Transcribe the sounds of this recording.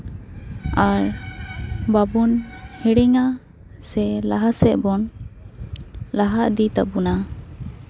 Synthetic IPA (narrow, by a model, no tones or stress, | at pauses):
aɾ | babunhiɽiŋa | sɛlaɦasɛʔbɔn | laɦaʔd̪it̪abuna